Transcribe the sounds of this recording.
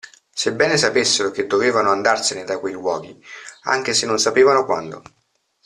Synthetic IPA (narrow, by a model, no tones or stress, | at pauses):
sebːɛːnesapesːeɾok̟ed̪ːoveːvanoand̪arsened̪akwejwɔ̰ːɡ̟ia̰ŋk̟esenːonsapeːvanokwa̰nd̪o̰